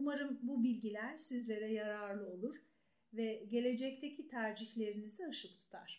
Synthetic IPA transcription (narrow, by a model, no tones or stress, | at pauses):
umaɾɯmbubilʲɟilʲæɾ̥sizlʲe̞ɾɛjaɾaɾlˠɯo̞lˠuɾ̥ | vɛɟe̞lʲe̞d͡ʒɛc̚t̪ʰecʰit̪ʰaːd͡ʒiçlʲe̞ɾinizɛaʃɯk̚t̪ʰu̥t̪ʰa̰ɾ̥